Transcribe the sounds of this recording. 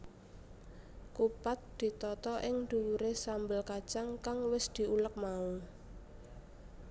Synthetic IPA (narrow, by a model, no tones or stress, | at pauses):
kupat̪̚d̪̥i̤t̪ɔt̪ɔʔɪŋd̪̥uwuɾesambəlkḁʒ̥aŋkaŋwɪsd̪̥i̤ulək̚mau